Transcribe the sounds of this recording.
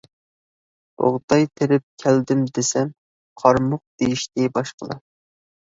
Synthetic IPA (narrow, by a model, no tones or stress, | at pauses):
o̰ʁt̪ɑjt̪ʰeɾɪp̚kʲʰæld̪ɪmd̪esɛm | qʰɑɾmʊq̚d̪̥ejiʃt̪ɪbɑʃqəlˠɑ̰